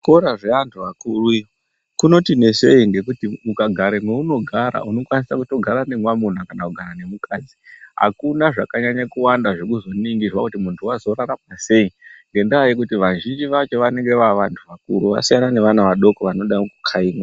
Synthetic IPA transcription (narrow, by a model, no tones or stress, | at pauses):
ko̞ɾaʐeantʰuʋakuru | kuno̞tine̞se̞iŋɡe̞kutimukaɡʱaɾemweuno̞ɡʱaɾa̰uno̞kwanisakuto̞ɡʱaɾane̞mwamun̤akanakuɡʱaɾane̞mukaːd͡ziɦa̰kunaʐakaɲaɲakuwandaʐekuzo̞niŋɡizwakutimuntʰuwazo̞ɾaramase̞iŋɡe̞ndiajek̬utiʋaʒind͡ʒiʋat͡ʃe̞ʋaneŋɡe̞ʋaʋantʰuʋakṵɾuʋa̰sijanane̞ʋanaʋaɗo̞koʋano̞ɗakukʰaiːmwa